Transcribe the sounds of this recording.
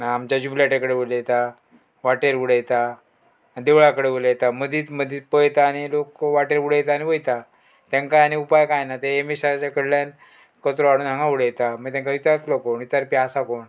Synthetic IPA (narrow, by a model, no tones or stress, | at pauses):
naːmt͡ɕjad͡ʑublaʈekəɽeʋoljet̪a | ʋaʈeɾʋuɽəjt̪a | d̪eʋɭakəɽeʋoljet̪aməd̪ʱiːt̪məd̪ʱiːt̪pəjt̪aːnilokʋaʈeɾuɽəjt̪aːñiʋəjt̪a | t̪ãŋkaaniupajkajnat̪eemesat͡ɕakəɽljan | kət̪ɾoaɽuːnãŋɡãʋuɽəjt̪aməɡt̪ãŋkaʋit͡saɾt̪lokonit͡s̪aɾpiasakoɳ